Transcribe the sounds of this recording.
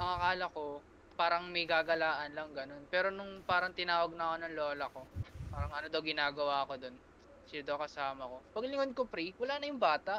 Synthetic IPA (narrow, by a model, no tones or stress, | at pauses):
mɐŋɐkaːlɐko̞ | paːɾɐŋmɐjɡaːɡɐlaːʔɐnlɐŋɡɐno̞npɛːɾo̞nʊŋpaːɾɐŋt̪ɪnaːwɐɡ̚nɐkonɐŋloːlɐko̞paːɾɐŋʔɐnod̪ɐwɡɪnaːɡɐwaːɐko̞d̪o̞n | sɪd̪ɐwkɐsaːmɐko̞pɐɡlɪŋod̪̚kopɾiwɐlaːnɐjʊŋbaːt̪ɐʔ